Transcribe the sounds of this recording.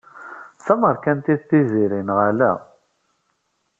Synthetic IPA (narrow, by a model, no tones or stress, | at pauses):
θæməɾˤkænt̪iðθiziɾinʁalæ̰